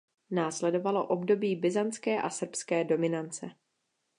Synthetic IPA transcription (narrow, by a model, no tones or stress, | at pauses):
naːslɛdo̞valo̞̰ʔo̞bdo̞biːbɪzant͡skɛːʔasr̩pskɛːdo̞mɪnant͡sɛ